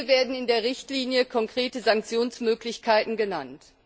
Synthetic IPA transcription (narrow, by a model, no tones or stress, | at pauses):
veːɐdn̩ɪndeːɐʁɪçtliːnjəkʰɔŋkʁ̥eːtəzaŋk̚t͡sjoːnsmøːklɪçkʰaɪtn̩ɡənant